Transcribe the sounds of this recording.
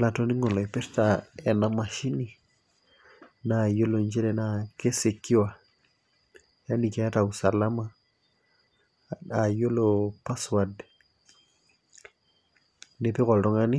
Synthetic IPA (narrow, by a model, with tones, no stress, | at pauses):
la˨tɔ˦ni˦ŋɔ˨lɔ˨ɛ˨pɛ˦ɾtaɛ˨nama˨ʃi˦ni | najo˦loɲd͡ʒɛ˦lɛ˨nake˦se˨kːi˦wa˨ | ja˦ni˨kɛ˨a˦ta˨usa˨la˦ma | ajo˦lopa˦swad | ne˨pi˦kɔ˨ltɔ˦ŋani˦